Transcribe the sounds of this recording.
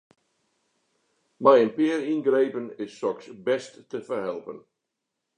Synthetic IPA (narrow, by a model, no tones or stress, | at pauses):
majənpɪəɾinɡrejpənɪsːɔksbɛstːəfərɦɛlˠpən